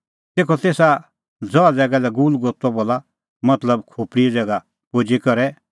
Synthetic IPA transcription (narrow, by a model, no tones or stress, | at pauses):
t̪eːkʰɔt̪eːsa | d͡zɔad͡zɛːɡalɛɡuːlɡost̪ɔboːla | mɐt̪ləbkʰoːpɽid͡zɛːɡa | poːd͡ʒikɔɾɛ